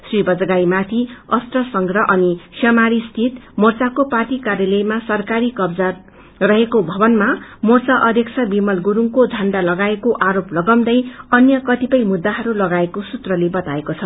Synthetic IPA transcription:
sribʌd͡zɡajmat̪ʰiʌst̪rʌsʌŋɡrʌʔʌnisʰjʌmaɾist̪ʰit̪mʌrt͡sakopaʈikaɾjalʌjmasʌrkaɾikʌbd͡za | rʌɦekobʱʌbʌnmamort͡saʔʌd̪ʱjʌkt͡sʰʌbimʌlɡuɾuŋkod͡zʱʌɳɖalʌɡaekoʔaɾoplʌɡʌwd̪ʌjʌnjʌkʌt̪ipʌjmud̪ːaɦʌɾulʌɡaekosut̪rʌlebʌt̪aekot͡sʰʌ

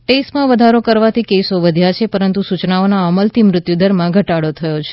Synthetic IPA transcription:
ʈesʈmãʋəd̪ʱaɾokəɾʋat̪ʰikesoʋəd̪ʱjat͡ʃʰepəɾənt̪usut͡ʃnaonaəməlt̪ʰimɾʊt̪jud̪əɾmãɡʱəʈaɽot̪ʰəjot͡ʃʰe̥

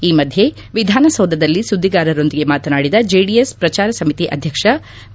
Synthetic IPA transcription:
iːmɐd̪ʱje̞ | ʋid̪ʱaːnɐsɐwd̪ʱɐd̪ɐlːisud̪ʱːiɡaːɾɐɾo̞nd̪iɡe̞maːt̪ɐnaːɽid̪ɐd͡ʒeːɖijespɾɐt͡ʃaːɾɐsɐmit̪iʔɐd̪ʱjɐkʂɐ

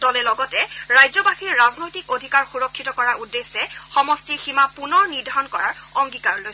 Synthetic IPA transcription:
dɔlɛlɔɡɔtɛɹajzɔbaxiɹːaznojtikodʱikaɹxuɹɔkʰːitɔkɔɹaudːesːɛxɔmɔstiximapunɔɹniɹdʱaɹɔnkɔɹaɹɔŋɡikaɹloj

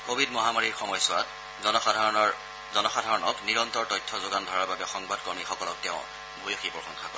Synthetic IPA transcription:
kobʱidmɔɦamaɹiɹxɔmɔjsʊwat | zɔnɔadʱaɹɔn | zɔnɔxadʱaɹɔnɔkniɹɔntɔɹtɔjtʰːɔzoɡandʱɔɹaɹbabɛxɔŋbadkɔɹmixɔkɔlɔk̚tɛʊ̃ | bʱujoxipɹɔxɔŋxʰakɔ̰ɛ

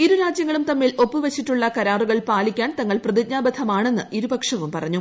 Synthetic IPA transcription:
iɾuɾaːd͡ʑjɐŋːɐɭumt̪ɐmːiːlo̞pːɨʋɐt͡ɕːiʈːuɭːɐkɐɾaːruɣɐɭpaːlikʲːaːnt̪ɐŋːɐɭprɐðik̚ɲaːbɐd̪ʰɐmaːɳe̞nːɨʔiɾubɐkʂɐʋumpɐrɐɲːu

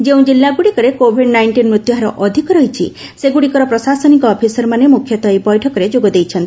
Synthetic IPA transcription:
d͡ʒeũd͡ʒilːaɡuɽikɔɾekobʱiɖnajɳʈinmɾut̪jɔɦaɾɔʔɔd̪ʱikɔɾɔɦit͡ʃʰḭ | seɡuɽikɔɾɔpɾɔsasɔnikɔːpʰisɔɾmanemukʰjɔt̪ɔebɔjʈʰɔkɔɾed͡ʒoɡɔd̪ejt͡ʃʰɔnt̪ii

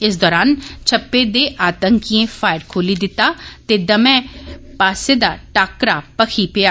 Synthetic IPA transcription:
ɪsd̪ɔːɾaːnt͡ʃʰəpːeːd̪eːʔaːt̪əŋkiẽːfaːɪɾkʰoːliːd̪ɪt̪aːt̪eːd̪əmɛ̃ːpaːseːd̪aːʈaːkɾaːpəkʰiːpɪjaː

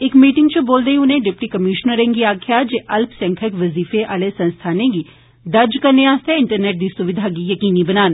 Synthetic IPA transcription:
ɪkmiːʈɪŋɡt͡ʃəboːld̪eːĩʊnẽːɖɪp̚ʈiːkəmiːʃnəɾẽŋɡiaːkʰɪjaːd͡ʒeːʔəlpʰsɛ̃ːŋkʰəkʋəziːfeʔaːleːsə̃nst̪ʰaːnẽːɡiː | d̪əɾd͡ʒkəɾneaːst̪eːɪɳʈəɾnɛːʈ̚d̪iːsʊʋɪd̪ʱaːɡiːjəkiːniːbənaːn

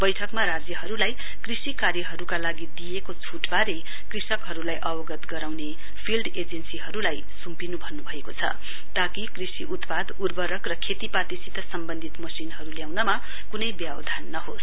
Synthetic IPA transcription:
bʌjʈʰʌkmaɾad͡zjʌɦʌɾulaj | krisikarjʌɦʌɾukalaɡid̪ijekot͡sʰuʈbaɾe | krisʌkɦʌɾulajʔʌwʌɡʌt̪ɡʌɾawne | pʰilɖed͡zensiɦʌɾulaj | sumpinubʱʌnːubʱʌekot͡sʰʌ̰ | t̪akikrisiʔut̪pad̪urbʌɾʌkrʌkʰet̪ipat̪isit̪ʌsʌmbʌnd̪ʱit̪mʌsinɦʌɾuljawnʌma | kunʌjbjabʌ̰d̪ʱanːʌɦos

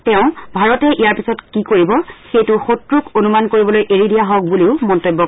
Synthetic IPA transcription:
tɛʊ̃bʱaɹɔtɛʔijaɹpisɔtkikoɹibɔxejtʊxotɹukonumankoɹibɔlojʔeɹidijaɦɔk̚buliʊmɔntojbːɔk

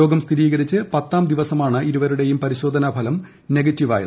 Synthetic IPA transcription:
o̞ːɡɐmst̪ʰiɾiːɣɐɾit͡ɕːɨpɐt̪ːaːmd̪iʋɐsɐmaːɳɨiɾuʋɐɾuɽe̞jumpɐɾiɕo̞ːd̪ʱɐnɐbʱɐlɐm | ne̞ɡɐtːiʋa̰ːjḭ

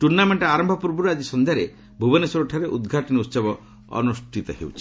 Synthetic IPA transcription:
ʈuɾnameɳʈɔaɾɔmbʱɔpuɾbuɾad͡ʒisɔnd̪ʱjaɾe | bʱubɔnesɔɾuʈʰaɾeʔud̪ɡʱaʈinɔut̪sɔbɔ | ɔ̰nusʈʰit̪ɔhḛwt͡ʃʰi̥

